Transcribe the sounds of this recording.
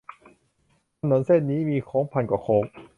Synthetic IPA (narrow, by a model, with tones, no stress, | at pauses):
t̪ʰa˧no˩˥nse˥˩n̚niː˦˥miː˧kʰoː˦˥ŋpʰa˧nkwaː˧˩kʰoː˦˥ŋ̚